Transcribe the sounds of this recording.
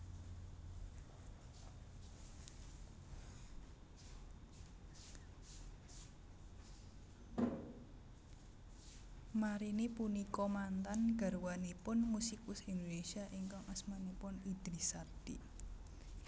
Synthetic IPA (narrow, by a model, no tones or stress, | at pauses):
maɾinipunikɔmant̪anɡ̥a̤ɾwanipʊnmusikwʊsind̪onesiaʔiŋkɔŋʔəsmanipʊnid̪̥ɾisat̪i